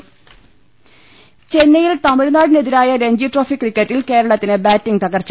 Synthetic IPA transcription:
t͡ɕe̞nːɐjilt̪ɐmiɻnaːɽineðiɾaːjɐɾe̞ɲd͡ʑiʈro̞ːfikːrikːɐtːilke̞ːɾɐɭɐt̪ːinɨbaːtːiŋt̪ɐɣɐrt͡ɕ

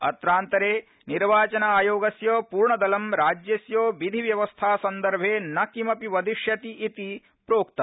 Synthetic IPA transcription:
ɐ̰t̪ɾaːnt̪ɐɾeː | niɾʋaːt͡ʃɐnɐaːjoːɡɐsjoːpuːɾɳɐd̪ɐlɐmɾaːd͡ʒjɐsjoːʋid̪ʱiʋjɐʋɐst̪ʰaːsɐnd̪ɐɾbʱeːnɐkimɐpiʋɐd̪ʱiʃjɐt̪iʔit̪i | pɾoːk̚t̪ɐ

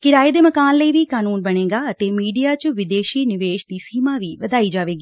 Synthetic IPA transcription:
kɪɾaːeːd̪eːməkaːnləiːʋiːkaːnuːnbəɽ̃eːɡaːət̪eːmiːɖijaːt͡ʃʋɪd̪eːʃiːnɪʋeːʃd̪iːsiːmãːʋiːʋəd̪aːiːd͡ʒaːʋeːɡiː

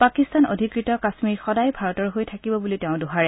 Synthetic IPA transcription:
pakistano̰dʱikɹitɔkasmiɹxɔdajbʱaɹɔtɔɹɦojtʰakibɔbulitɛʊ̃dʊɦaɹɛ

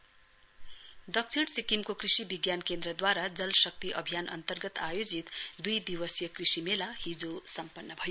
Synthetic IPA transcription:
d̪ʌkt͡sʰiɽsikimkokrisibiɡjankend̪rʌd̪waɾad͡zʌlsʌk̚t̪iʔʌbʱijanʔʌ̰nt̪ʌrɡʌt̪ajod͡zit̪d̪ujd̪iwʌsjʌkrisimelahid͡zosʌmpʌnːʌbʱʌjo

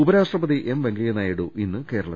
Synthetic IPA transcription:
ubɐɾaːʂʈrɐbɐðiʔemʋeŋɡljɐnaːjiɽuʔinːɨke̞ːɾɐɭɐ

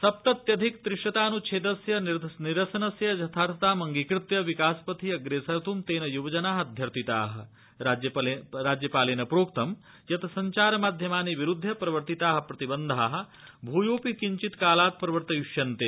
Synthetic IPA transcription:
sɐp̚t̪ɐt̪jɐd̪ʱikt̪ɾɪʂʈɐt̪aːnut͡ʃʰeːt̪ɐsjɐnniɾɐsɐnɐsjɐd͡ʒɐt̪ʰaːɾt̪aːmɐŋɡikɾɪt̪jɐʋikaːspɐt̪ʰiɐɡɾeːsɐɾt̪ʰumt̪eːnɐjuʋɐd͡ʒɐnaːɦɐd̪ʱjɐɾt̪it̪aːɦɐ̆ | ad͡ʒɐlɾaːd͡ʒjɐpaːleːnɐpɾoːkt̪ɐm | jɐt̪ʰɐsɐɲt͡ʃaːɾɐmaːd̪ʱjɐmaːneʋiɾud̪ʱːɐpɾɐʋɐɾt̪it̪aːɦɐ̆pɾɐt̪ibɐnd̪ʱaːɦɐ̆bʱuːjoːpikiɲt͡ʃit̪kaːlaːt̪̚pɾɐʋɐɾt̪ɐjuʂjɐnt̪eː

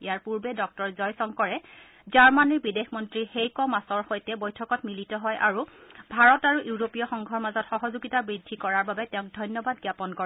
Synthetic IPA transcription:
ḭjaɹpuɹbɛdɔk̚tɔɹzɔjsɔŋkɔɹɛ | zaɹmaniɹbidexmɔntɹixejkɔmasɔɹxojtɛbojtʰɔkɔtmilitɔɦɔjʔa̰ɹubʱaɹɔtaɹuʔuɹopijɔxɔŋɡʱɔɹmazɔtxɔɦɔzuɡitabɹidʱːikɔɹaɹbabɛtɛʊ̃ŋk̚dʱɔjnjɔbadɡjapɔnkɔ

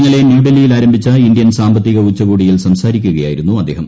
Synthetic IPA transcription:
ŋːɐɭe̞njuːɖɐlijilaːɾɐmbʱit͡ɕːɐind̪jɐnsaːmbʱɐt̪ːiɣɐut͡ɕːɐɣuːɽijilsɐmsaːɾikʲːuɣɐja̰ːjiɾunːuɐd̪ːe̞ːɦɐm

